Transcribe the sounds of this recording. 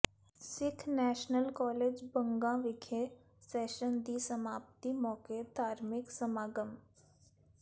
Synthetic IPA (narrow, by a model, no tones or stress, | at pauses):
sɪkʰnɛːʃnəlkɔːleːd͡ʒbə̃ŋɡãʋɪkʰe | seːʃənd̪isəmaːpt̪imɔːked̪ʱaːɾmɪksəmaːɡəm